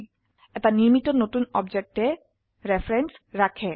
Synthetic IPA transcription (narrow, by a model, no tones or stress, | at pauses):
ɛt̪aniɾmit̪onot̪unɔbd͡ʑek̚ʈe | ɾefɾensɾakʰe